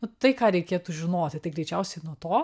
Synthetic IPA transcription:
nʊt̪ɐɪkɑːɾʲɛɪkʲeːt̪uʒʲɪnoːt̪ʲɪt̪ɐɪɡɾʲɛɪt͡ʃʲɛʊsʲɛɪnuɔt̪oː

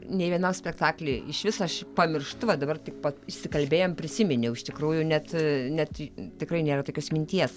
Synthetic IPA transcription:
nʲeɪʋʲiɛnɐmsʲpʲɛkt̪ɑːklʲeɪɪʃʋʲɪsɐɐʃpɐmʲɪrʃt̪ʊʋɐd̪ɐbɐrt̪ʲɪk̚pɐɪʃʲsʲɪkɐlʲbʲeːjoːmpʲɾʲɪsʲɪmʲɪnʲɛʊɪʃt̪ʲɪkɾuːjʊnʲɛt̪nʲɛt̪t̪ʲɪkrɐɪnʲeːɾɐt̪oːkʲoːsmʲɪnʲt̪ʲiɛs

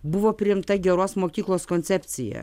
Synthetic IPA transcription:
bʊʋoːpʲɾʲɪɪmt̪ɐɡʲɛɾoːsmoːkʲiːklˠoːskonʲt̪sʲɛpʲt̪sʲɪjɛ̰

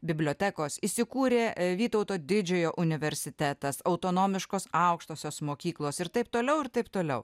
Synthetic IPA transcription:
bʲɪbʲlʲoːt̪ʲækoːsisʲɪkuːɾʲeːʋʲiːt̪ɐʊt̪oːd̪ʲɪd͡ʒʲɛjoːʔʊnʲɪʋʲɛɾʲsʲɪt̪ʲæt̪ɐsɐɒʊt̪oːnoːmʲɪʃkoːsɐˑʊkʃt̪oːsʲoːsmoːkʲiːklˠoːsɪɾt̪ɐɪp̚t̪oːlʲɛʊɪɾt̪ɐɪpt̪oːlʲɛʊ

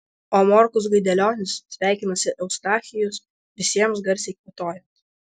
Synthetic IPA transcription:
oːmoːɾkʊs̬ɡɐɪd̪ʲɛlʲoːnʲɪssʲʋʲæˑɪkʲɪnɐsʲɪʔɛʊst̪ɑːxʲɪjʊs | ʋʲɪsʲiɛms̬ɡɐɾʲsʲɛɪkʋʲɪt̪oːjɛnt̪

